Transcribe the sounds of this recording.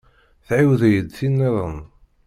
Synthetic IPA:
θʕiwðæjəd̪θinːeðˤən

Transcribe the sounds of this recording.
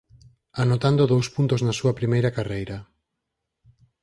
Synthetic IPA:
anot̪and̪oðowspunt̪oznɐsuɐpɾimejɾɐkarejɾɐ

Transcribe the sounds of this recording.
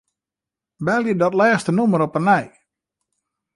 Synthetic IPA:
bɛlˠidɔtlɛːxstənuməɾɔpənɛj

